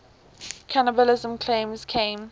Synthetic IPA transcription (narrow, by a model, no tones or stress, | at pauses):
kʰanəbəlɪzə̃mkʰl̥ẽmz̥kʰẽɪ̃m